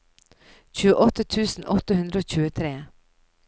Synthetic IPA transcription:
c͡çʉːəʔɔt̪ət̪ʰʉːsn̩ʔɔt̪əhʉnd̪ɾəoːçʉːət̪ʰɾeː

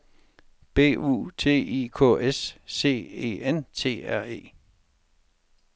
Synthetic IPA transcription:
b̥e̝̰ːṵːt͡sʰe̝̰ːiːkʰɔ̰ːesːe̝̰ːe̝̰ːent͡sʰe̝̰ːæɐ̰e̝̰ː

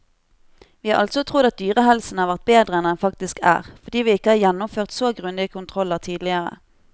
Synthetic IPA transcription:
ʋiːɑːʁʔɑ̰lt̪sɔt̪ʰʁʊd̪ɑt̪̚d̪yːʁəhɛlsn̩hɑːʁʋæʁt̪̚beːd̪ʁəɛnɛnfɑkt̪ɪskʰæ̰ːʁfɔʁd̪iːʋiːɪkːəhɑːʁjɛnːʊmføːʁt̪soːɡʁʉnd̪ɪəkʰʊnt̪ʰʁɔlːəʁt̪ʰiːd̪lɪəʁə̰

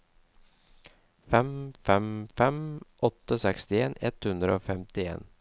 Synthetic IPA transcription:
fɛmfɛmfɛmʔɔt̪ːəəosɛkst̪ɪeːnɛ̰t̪hʉnd̪ɾəoːfɛmt̪ɪḛːn

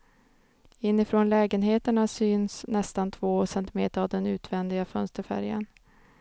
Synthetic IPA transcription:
ɪnːɪfɾoːnlɛːɡənɦeːt̪əɳasyːnsnɛst̪ant̪ʰvoːsɛnt̪ɪmeːt̪əɾavd̪ɛnʉ̟ːt̪vɛnd̪ɪɡafœnst̪əɾfæ̰ɾjə̰n

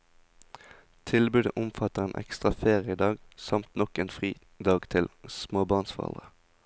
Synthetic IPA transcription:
t̪ʰɪlbʉːd̪əʔʊmfɑt̪əʁeːnʔɛ̰kst̪ʁɑfeːʁɪəəəd̪ɑːɡsɑmt̪nɔkeːnfʁiː | d̪ɑːɡt̪ʰɪlsmoːbɑʁnsfɔʁ̰lʁə

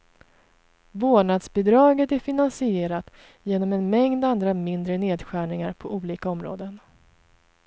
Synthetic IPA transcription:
voːɳad̪sbɪd̪ɾɑːɡət̪æɾfɪnansɪeːɾat̪ | jeːnɔmɛnmɛŋd̪and̪ɾamɪnd̪ɾəneːd̪ɧæːɳɪŋaɾpʰɔʔuːliːkaɔmɾo̰ːd̪ən

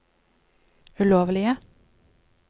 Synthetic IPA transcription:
ʉloːʋəlɪə

